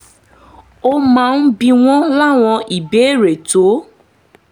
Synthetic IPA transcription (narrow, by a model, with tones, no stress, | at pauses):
o˦mã˦˨˧n̩˦bĩ˧w̃ɔ̃˦la˦˨w̃ɔ̃˧i˨be˨˦˨ɾe˨to˨˦